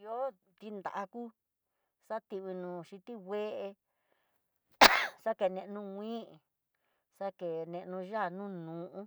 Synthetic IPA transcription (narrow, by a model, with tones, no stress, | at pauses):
jo˦ | t̪i˧nd̪a̰˨ʔa˧kuː˦ | sa˦t̪i˧βi˧nũː˨ʃi˧t̪i˦we˦ʔe˧ | sa˦ke˨nẽ˧ʔnũ˧ŋʷĩː˦˨ | sa˦ke˨nẽ˧ʔnũ˧ʒa˦˨nũ˦nũː˨ʔũ˦